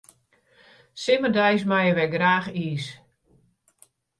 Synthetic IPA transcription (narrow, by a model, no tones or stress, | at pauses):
sɪmərdɛjs̬majəʋɛɡraːxiːs